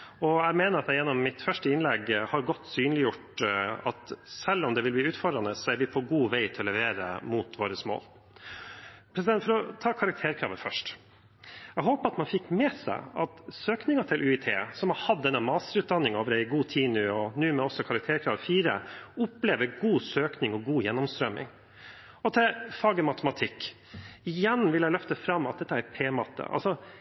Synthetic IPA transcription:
ɔæɪmeːnəɾɑt̪æjɛnːɔmːɪt̪fœʂʈəɪnlɛɡhɑɾɡɔt̪ːsyːnəlɪjʊʈɑt̪sɛlːɔmd̪ɛʋɪlb̪iːʉːt̪fɔɖɾɑnəsɔæɾʋɪpʰɔɡuːʋæɪt̪ʰɪlɔlɛʋeːɾə̰mut̪ʰʋoːɾəsmo̰ːl | pʰɾɛsɪd̪ɛnt̪fɔɾɔt̪ʰɑːkʰɑɾɑk̚t̪ʰeːɾkʰɾɑ̰ːʋəfœʂʈ | ɛɡɦoːpəɑt̪mɑnfɪkːmɛsæ̰ɪɑt̪søːknɪŋɑt̪ʰɪlʔʉːɪt̪ʰḛːsɔmhɑɾhɑd̪ːɛnːəmɑːst̪əɾʉːt̪̚d̪ɑnːɪŋoːʋəɾæɪɡuːt̪ʰiːnʉɔnʉːmɛɔsːɔkʰɑɾɑk̚t̪ʰeːɾkʰɾɑːʋəfiːɾə̰ʊpleːʋəɾɡuːsøːknɪŋɔɡuːjɛnːɔmst̪ɾœmːɪ̰ŋ | ɔt̪ʰɪlfɑːɡəmɑt̪əmɑt̪ʰɪkː | ɪjɛnːʋɪljælœft̪əfɾɑmːɑt̪̚d̪ɛt̪ːəæɾpʰeːmɑt̪ʰə̰ʔɑ̰lsɔ

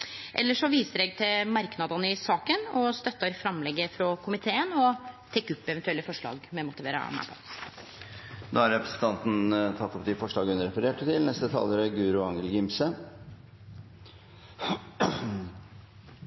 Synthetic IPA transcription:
ʔɛ̰lːəʂɔʋiːsəɾɛːɡt̪ʰɪlmɑɾknɑd̪ənəɪsɑːkənɔst̪œt̪ːɑɾfɾɑmlɛɡːəfɾɔkʰʊmɪt̪ʰeːənɔt̪ʰɛkːʉpːɛʋɛnt̪ʉɛlːəfɔʂɭɑ̰ːɡmɛmʊt̪ɪʋeːɾə̰mæ̰pʰɔ̰ | d̪ɑ̰ːɑɾɛpɾə̥sən̩t̪ʰɑnt̪n̩t̪ʰɑt̪ːɔpd̪ɪfɔʂɭɑːɡəʉnəɾɛfəɾeːʈːət̪ʰɪlnɛst̪ət̪ʰɑ̰ːlːəɾəɡʉːɾʊɑŋəlɡɪmsə

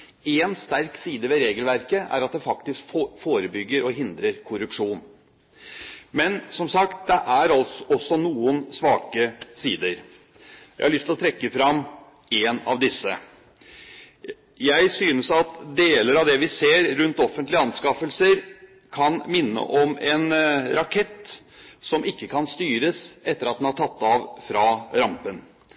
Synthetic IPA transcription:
ɛnst̪æɾksiːd̪əʋɛɾeːɡəlʋæɾkəæ̰ɾɑt̪̚d̪ɛfɑk̚t̪ɪskfoːɾəbʏɡːəɾɔɦɪnd̪ɾəɾkʰʊɾʉpʂuːn | mɛnsɔmsɑkt̪̚d̪ɛʔæɾɑlɔsːɔnuːənsʋɑːkəsiːd̪əɾ | jæɪhɑɭʏst̪lɔt̪ʰɾɛkːəfɾɑm | enɑ̰ʋd̪ɪsːə̰ | jæɪsyːnəsɑt̪d̪eːləɾɑʋd̪ɛʋɪseːɾɾʉnt̪ɔfənt̪lɪəɑnskɑfəlsəɾ | kʰɑnmɪnːə̰ʔɔmɛnɾɑkʰɛt̪ː | sɔmɪkːəkʰɑnst̪yːɾəsɛt̪ːəɾɑt̪̚d̪ɛnhɑʈʰɑt̪ːɑʋfɾɑɾɑmpən

